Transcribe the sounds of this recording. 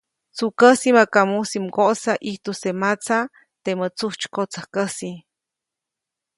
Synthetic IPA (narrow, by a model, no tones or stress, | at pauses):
t͡sukəsimakamusimɡoʔsaʔiht̪usemat͡sa | t̪emət͡suht͡ʃkot͡səhkəsi